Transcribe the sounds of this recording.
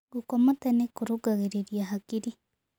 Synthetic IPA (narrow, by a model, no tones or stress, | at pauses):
ɡukomotanekuɾuɡaɣeɾeɾjaɦakiɾi